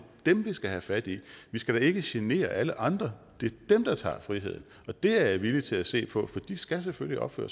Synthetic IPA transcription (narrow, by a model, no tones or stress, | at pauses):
d̥emʋisɡ̥æhæfæd̥iʋisɡ̥æɾ̥ɑe̝ɡ̥əɕene̝̰ːɐʔæləʔɑ̈nd̥ʁɐ | d̥e̝æɐd̥emd̥ɑ̈t͡sʰɑ̰̈ːfʁiɦe̝ð̞ˠn̩ | ɒ̽d̥e̝æɐjʋilit͡sʰe̝læse̝̰ːpʰɒ̽fɒ̽d̥ḭːsɡ̥æs̬eføljliʔɒ̽b̥fø̰ːɐs